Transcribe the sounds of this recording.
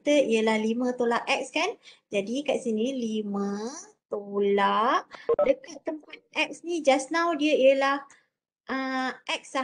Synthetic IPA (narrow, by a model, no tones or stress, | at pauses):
t̪əʔijəlahlimə̃t̪olaʔɛk̚skand͡ʒadikaʔsinilimə̃t̪olaʔdəkat̪ːəmpat̪̚ɛk̚snid͡ʒasnãwdiəijəlah | ʔəʔɛk̚sa